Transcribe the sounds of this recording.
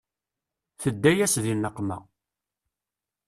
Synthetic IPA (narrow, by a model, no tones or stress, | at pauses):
θəd̪ːæjæsðilːəqːmæ̰